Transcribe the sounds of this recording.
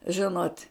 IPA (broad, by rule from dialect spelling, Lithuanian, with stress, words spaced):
ˈʒʲɪnoːtʲ